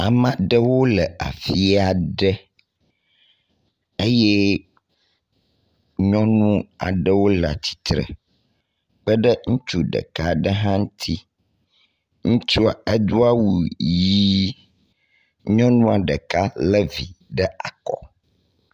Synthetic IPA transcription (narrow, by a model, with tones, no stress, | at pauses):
a˨mã˦ɖə˦wo˦lɛ˨a̰˨fi˦a˨ɖə˦ | e˦jɛ˦ | ɲɔ̃˦nũ˦a̰˨ɖə˦wo˦la˨t͡ɕ̪i̥˨t̪ɾə̰˨ | k͡pə˦ɖə˦ŋũ˦t͡ʃu˦ɖə̰˨ka˦ɖə˦ɦã˦ŋ̩̃˦t̪ʰi˦ | ŋũ˦t͡ʃu˦a˨ɛ˦d̪u˦a˦wu˨ji˦ | ɲɔ̃˦nũ˦a˨ɖə˨ka˦lɛ˦vi˨ɖɛ˦a˨kɔ̰˨